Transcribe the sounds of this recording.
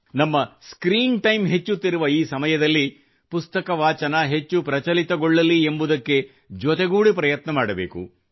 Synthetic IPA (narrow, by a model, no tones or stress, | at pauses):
nɐmːɐskɾiːnʈɐjmɦe̞t͡ʃːut̪ːiɾuʋɐiːsɐmɐjɐd̪ɐlːi | pust̪ɐkɐʋaːt͡ʃɐnɐɦe̞t͡ʃːupɾɐt͡ʃɐlit̪ɐɡɔɭːɐliembud̪ɐkːe̞ | d͡ʒot̪e̞ɡuːɽipɾɐjɐt̪nɐmaːɽɐbe̞̰ːkṵ